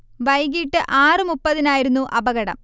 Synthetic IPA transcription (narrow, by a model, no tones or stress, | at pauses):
ʋɐjɡiːʈːɨʔaːrɨmupːɐðinaːjiɾunːuʔɐbɐɣɐɽɐ̰m